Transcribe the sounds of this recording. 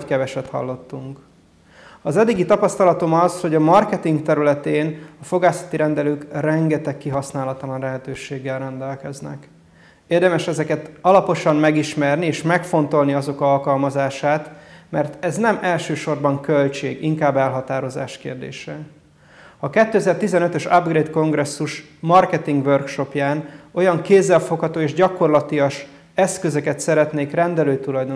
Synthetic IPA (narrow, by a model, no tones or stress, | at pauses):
kɛvɛʃɛt̪hɒ̰lːo̞t̪ːuŋk | ɒzɛd̪ːiɡit̪ɒpɒst̪ɒlɒt̪o̞mɒzho̞ɟɒmɒrkɛt̪iŋkt̪ɛɾylɛt̪eːnɒfo̞ɡaːsɒ̥t̪iɾɛnd̪ɛløːkrɛŋɡɛt̪ɛkːiɦɒsnaːlɒt̪ɒlɒnlɛɦɛt̪øːʃeːɡːɛlrɛnd̪ɛlkɛznɛ̰k | eːrd̪ɛmɛʃɛzɛkɛt̪ɒlɒpo̞ʃɒmːɛɡiʃmɛrnieːʃmɛkfo̞nt̪o̞lniɒzo̞kɒlkɒlmɒzaːʃaːt̪mɛrt̪ɛznɛmɛlʃøːʃo̞rbɒŋkølt͡ʃḛːɡiŋkaːbːɛlɦɒt̪aːɾo̞za̰ːʃkḛːrd̪ḛːʃɛ | ɒkɛt̪ːøɛzɛrt̪izɛnøt̪øʃɒbɡreːt̪ko̞ŋɡrɛsːuʃ | mɒrkɛt̪iŋɡʋørkʃo̞pjaːno̞jɒŋkeːzːɛlfo̞khɒt̪oːeːʒɟɒko̞rlɒt̪iɒʃ | ɛskøzøkɛt̪sɛɾɛt̪neːkrɛnd̪ɛløːt̪ulɒjd̪o